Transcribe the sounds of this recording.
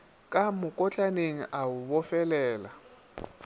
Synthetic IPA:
kʼamʊkʼɔt͡ɬʼaneŋ̩ʔaʊbɔfɛlɛːla

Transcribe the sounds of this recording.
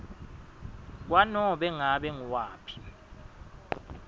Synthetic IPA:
k̬wanɔɓɛŋaɓɛŋuwaːpʰi̥

